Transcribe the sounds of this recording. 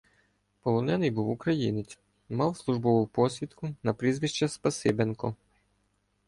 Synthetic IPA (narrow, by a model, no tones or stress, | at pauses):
pɔlˠɔnɛnɪjbuwʊkɾɐjinɪt͡sʲ | mɑwslˠuʒbɔʋʊpɔsʲʋʲit̪kʊnɐpɾʲizʋʲiʃt͡ʃːɛspɐsɪbenkɔ